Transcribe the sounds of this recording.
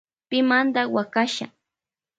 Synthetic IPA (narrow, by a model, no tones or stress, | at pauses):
pɪmand̪awakaʃa̰